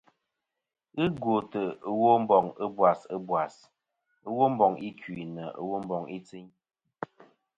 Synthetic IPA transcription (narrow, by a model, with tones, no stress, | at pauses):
ɨ˦ɡwo˨tə˨ə˦wo˦m̩˦bɔ˨ŋə˦bwa˨sə˦bwa˨s | ə˦wo˦m̩˦bɔ˨ŋi˦kʰwi˨nə˨ə̰˦wo˦m̩˦bɔ˨ŋi˦t͡si˦ɲ